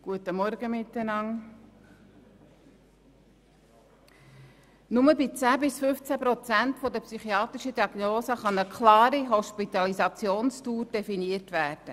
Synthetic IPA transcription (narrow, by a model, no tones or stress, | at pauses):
ɡ̥uətəmɔɾɡəmɪtːənɑŋ | nʊməbɪt͡sæːbɪsfʏft͡sæpɾɔt͡sæntfɔd̪əpsyχiɑːt̪ɾɪʃədiɑɡ̥noːsəχɑnəkχlɑːɾiɦɔʃpit̪ɑlisɑt͡sjoːnstuːɾd̥ɛfiniəɾtʋæːɾd̥ə